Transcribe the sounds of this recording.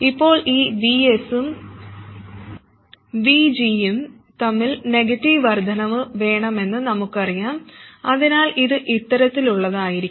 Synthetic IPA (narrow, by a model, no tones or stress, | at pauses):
ipːo̞ːɭiːʋiesum | ʋid͡ʑijum | t̪ɐmːilne̞ɡɐtːiʋʋɐrd̪ʱɐnɐʋɨʋe̞ːɳɐme̞nːɨnɐmukːɨɐrijaːmɐðinaːliðɨʔit̪ːɐɾɐt̪ːiluɭːɐðaːjiɾi